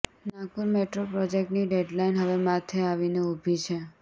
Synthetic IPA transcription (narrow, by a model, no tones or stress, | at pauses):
nakuɾmeʈɾopɾɔd͡ʒek̚ʈniɖeɖlainɦəʋemat̪ʰeaʋineubʱit͡ʃʰe